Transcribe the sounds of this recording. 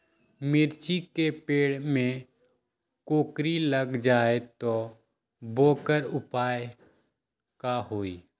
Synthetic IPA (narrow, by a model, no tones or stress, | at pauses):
mɪɾt͡ʃikepeːɽmẽ | koːkɾiləɡd͡ʒaːet̪o | boːkəɾʊpaːj | kaɦoːiː